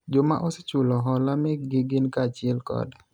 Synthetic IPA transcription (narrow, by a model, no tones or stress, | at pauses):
d͡ʒoma̰ʔɔset͡ʃʊlɔɦɔlamɛɡɪɡɪnkat͡ʃɪɛlkɔ̰d